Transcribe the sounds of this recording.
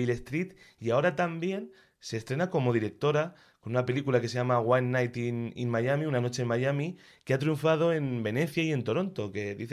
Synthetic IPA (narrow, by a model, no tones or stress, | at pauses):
ile̞st̪ɾit̪ | iao̞ɾat̪ambje̞n | se̞st̪ɾe̞nako̞mo̞ð̞iɾe̞k̚t̪o̞ɾa | ko̞nunape̞likulakeseʝamaɣwanːajt̪inḭnmajamiunano̞t͡ʃe̞nmajami | keat̪ɾjuɱfað̞o̞e̞nbe̞ne̞θjaie̞nt̪o̞ɾo̞nt̪oke̞ðiθ